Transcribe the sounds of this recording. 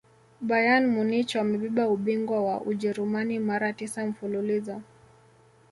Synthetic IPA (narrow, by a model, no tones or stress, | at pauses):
ɓajanmunit͡ʃɔamɛɓiɓauɓiŋɡwawa̰ʔuʄɛɾumanimaɾatisam̩fululiza